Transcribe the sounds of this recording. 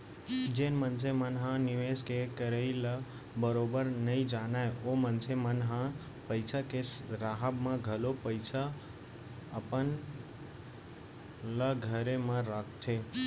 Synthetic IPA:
d͡ʒenmənsʰemənɦãniʋeskekəɾəɪlə | bəɾobəɾnəɪd͡ʒanaeomənsʰemənɦã | pəɪsʰakesɾaɦəbmẽɡʱəlopəɪsʰə | əpən | ləɡʱəɾemə̃ɾakʰt̪ʰe

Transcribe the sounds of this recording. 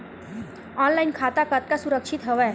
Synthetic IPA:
ɔnlainkʰaːt̪akət̪̚kasuɾəkʃit̪ɦəʋɛ

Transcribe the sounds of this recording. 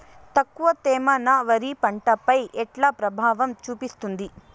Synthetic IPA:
t̪ɐkːuʋɐt̪ɛːmɐnɐʋɐɾipɐɳʈɐpɐjʔɛʈlaːpɾɐbʱaːʋɐmt͡ʃuːpist̪und̪i

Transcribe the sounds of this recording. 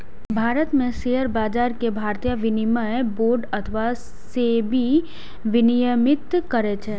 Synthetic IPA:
bʱaːɾət̪mẽseɦəɾbaːd͡ʒaːɾkebʱaːɾt̪ijəʋɪnimaboːɾɖət̪ʰəʋa | sebʱi | ʋɪnijəmɪt̪kəɾet͡ʃʰeː

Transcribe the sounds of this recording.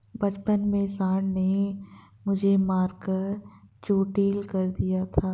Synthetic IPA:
bɐt͡ʃpənmẽsaːɽne | mʊd͡ʒʱemaːɾkəɾt͡ʃoːʈiːlkɐɾd̪ijat̪ʰaː

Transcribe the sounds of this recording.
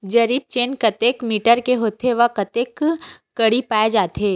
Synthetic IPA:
d͡ʒɐɾiːb̚t͡ʃeːnkɐt̪eːkmiːʈəɾkeɦoːt̪ʰeʋɐkɐt̪eːkː | ɐɽipaːed͡ʒaːt̪ʰeː

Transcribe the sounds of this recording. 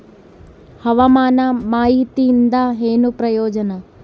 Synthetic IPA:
hɐʋamaːnɐmaːɦit̪ind̪aɦeːnupɾɐjoːd͡ʒɐnɐ

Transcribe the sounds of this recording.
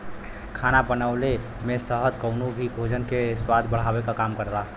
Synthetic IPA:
kʰanapənəʊle | mẽsəɦəd̪ʱkəʊnubʱiɡʱod͡ʒənkeswad̪ʱbəɽ̤abekakaːmkəɾla

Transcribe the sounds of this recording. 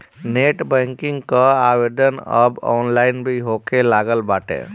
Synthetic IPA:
neʈbəŋkiŋɡkəabed̪ənə̰bɔ̰ːnlaɪnbʱiɦokelaɡəlbaːʈḛ̃

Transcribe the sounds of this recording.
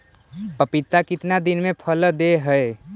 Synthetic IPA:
pəpit̪akit̪nad̪inmepʰəld̪eɦəe

